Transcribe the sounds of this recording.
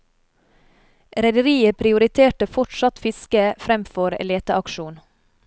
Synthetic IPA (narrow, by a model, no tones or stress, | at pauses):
ɾɛd̪əɾiːəpʰɾɪʊɾɪt̪ʰeːʈəfɔʈʃɑt̪fɪskəfɾɛmfɔɾ̰leːt̪əʔɑkʃuːn